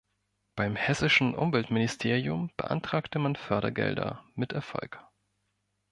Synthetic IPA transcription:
b̥aɪmhɛsɪʃn̩ʔʊ̰mvɛltmɪnɪstʰeːʁiʊmb̥ə̰ʔa̰ntʁ̥aːktəmanfœɐɾɐ̰ɡɛ̰ldɐ̰mɪtɛɐfɔ̰lk

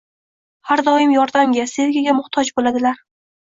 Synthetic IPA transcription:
haɾd̪ɒɪmjɒɾd̪amɡʲase̞ɾɡʲaɡʲamʊχt̪ʰɒd͡ʒbolad̪ɪlaɾ

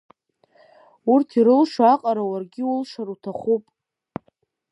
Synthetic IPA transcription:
urtʰiɾɨlʂaaqʼaɾawarɡʲɪʊlʂaɾutʰaχupʼ

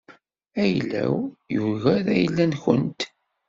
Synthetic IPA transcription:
æjlːæ̰wjuɣæɾæjəlːænçənt̪

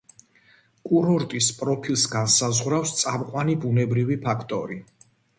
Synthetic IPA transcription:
kʼuɾɔɾt̪ʼispʼɾɔpʰilˠsɡansazʁwɾafst̪sʼamqʼwanibunɛbɾivipʰakʰt̪ʼɔɾi

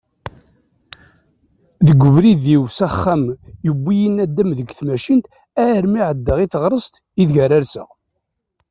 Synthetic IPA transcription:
ðəɡəvɾiðiwsæχːæmjəbːijənæd̪ːæmðəɡθmæʃint̪ | æɾmiʕəd̪ːəʁiθəʁɾˤəst̪ | iðʝæɾaɾsə̰ʁ

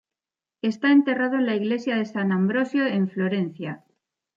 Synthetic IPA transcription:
e̞st̪ae̞nt̪e̞rað̞oenlaiɣle̞sjaðe̞sanãmbɾo̞sjoe̞ɱflo̞ɾe̞n̟θja

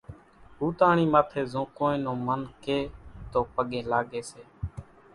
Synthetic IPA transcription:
ɦuːt̪aːɳiːmaːt̪ʰeːzõːkõːĩːnõːmənkeːt̪oːpəɠẽːlaːɠeːseː

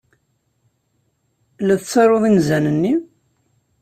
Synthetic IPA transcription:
læðt͡sːɑɾˤoðˤinzænənːi

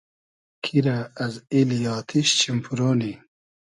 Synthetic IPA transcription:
kʰiɾaɐzilijɑːt̪ʰiɕt͡ɕimpʰuɾoːni

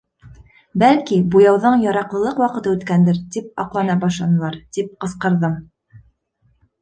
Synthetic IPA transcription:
bælkibujɑwðɤɴjɑɾɑqlˠɤ̆lˠɤqwɑqɤ̆t̪ɤʉt̪kænd̪ɘɾt̪ip̚ɑ̰qlˠɑnɑbɑʃlˠɑnɤ̆lˠɑɾt̪ip̚qɤ̆sqɤ̆ɾðɤm

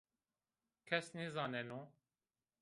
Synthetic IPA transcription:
kʰɛsnezɑːnɛno

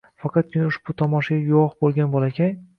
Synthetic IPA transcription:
fɑqʰɑt̪̚kʲʰɪnaʊʃbʊt̪ʰɒmɒʃaɡʲajʊɒχbolˠɡʲanbɒlˠakʲʰaj

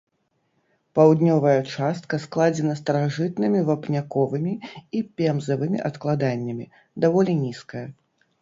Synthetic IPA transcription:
pawd̪nʲɔvɐjɐt͡ʂast̪̚kɐsklˠad͡zʲɛnɐst̪ɐɾaʐɨt̪̚nɨmʲivɐpnʲakɔvɨmʲiipʲɛmzɐvɨmʲḭʔɐt̪klˠad̪anʲːɐmʲi | d̪avɔlʲinʲiskɐjɐ

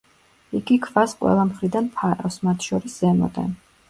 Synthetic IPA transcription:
iɡikʰvasqʼwɛ̰lˠamχɾid̪anpʰaɾɔsmat̪ʰʃɔɾiszɛmɔ̰d̪ʼɛ̰n

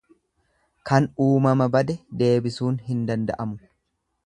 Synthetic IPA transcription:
kɐnuːmɐmɐbɐd̪ɛd̪e̞ːbɪsuːnɦɪnd̪ɐnd̪ɐ̰ʔɐmʊ

